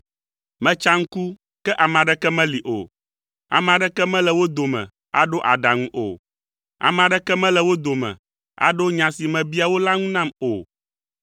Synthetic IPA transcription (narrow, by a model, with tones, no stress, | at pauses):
mɛ̃˦t͡ʃa˦ŋ̩˦ku˦ | kɛ˦ʔa˨m˨ã˨ɖɛ˦kɛ˦mɛ̃˦li˨ʔo̰˨ | a̰˨mã˨ɖɛ˦kɛ˦mɛ̃˦lɛ˨wo˦d̪o˨mɛ̰̃˨ | a̰˨ɖo˦ʔa˨ɖa˨ŋũ˦ʔo̰˨ | a̰˨mã˨ɖɛ˦kɛ˦mɛ̃˦lɛ˨wo˦d̪o˨mɛ̰̃˨ | a̰˨ɖo˦ɲã˨si˨mɛ̃˨bi˦a˨wo˦la˦ŋũ˦nã˦mo˨